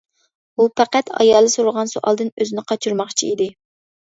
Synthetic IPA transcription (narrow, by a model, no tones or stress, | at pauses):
upʰæqæt̪ʰɑ̰jɑlˠːɨsuɾʊʁɑnsuʔɑ̰lˠd̪ɨnøzɪnɪqʰɑt͡ʃʰuɾmɑχt͡ʃʰiid̪ɪ